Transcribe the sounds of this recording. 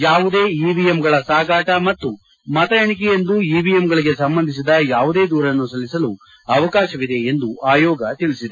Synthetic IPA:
jaːʋud̪e̞ːiːbijemɡɐɭɐsaːɡaːʈɐmɐt̪ːu | mɐt̪ɐjɐɳik̬ɛjend̪uiːbijemɡɐɭiɡe̞sɐmbɐnd̪ʱis̬id̪ɐjaːʋud̪e̞ːd̪uːɾɐnːusɐlːisɐlu | ɐʋɐkaːʃɐʋid̪e̞ːnd̪uaːjɔːɡɐt̪iɭisid̪e

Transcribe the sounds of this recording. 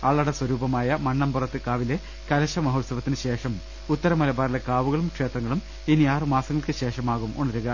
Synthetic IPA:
ɐɭːɐɽɐswɐɾuːbɐmaːjɐmɐɳːɐmpurɐt̪ːɨkaːʋile̞ | kɐlɐɕɐmɐɦot̪sɐʋɐt̪ːinɨɕe̞ːʂɐm | ut̪ːɐɾɐmɐlɐbaːɾilekaːʋuɣɐɭumkʂe̞ːt̪rɐŋːɐɭum | iniaːrɨmaːsɐŋːɐɭkɨɕe̞ːʂɐmaːɣumuɳɐɾuɣɐ

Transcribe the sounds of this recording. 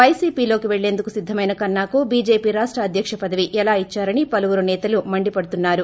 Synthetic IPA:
ʋɐjsiːpiːlo̞ːkiʋeɭːe̞ːnd̪ukusid̪ʱːɐmɐjnɐkɐnːaːkubiːd͡ʒe̞ːpiːɾaːʂʈɾɐːd̪ʱjɐkʂɐpɐd̪ɐʋiʔɛlaːit͡ʃːaːɾɐnipɐluʋuɾunɛːt̪ɐlumɐɳɖipɐɽut̪unːaːɾu

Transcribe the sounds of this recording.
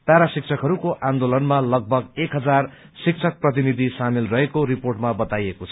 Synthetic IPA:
t̪aɾasik̚t͡sʰʌkɦʌɾukoʔãnd̪olʌnmalʌɡ̚bʱʌɡekɦʌd͡zar | sik̚t͡sʰʌk̚prʌt̪̬inid̪ʱisamilrʌɦekoɾiporʈmabʌt̪ajekot͡sʰʌ̥

